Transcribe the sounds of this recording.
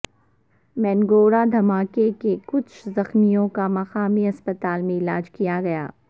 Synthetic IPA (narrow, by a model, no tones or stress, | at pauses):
mɛːnɡoːɾad̪ʱɐmaːkekekʊt͡ʃʰzɐxmijõkamɐxaːmiɐspət̪aːlmẽɪlaːd͡ʒkijaɡɐja̰ː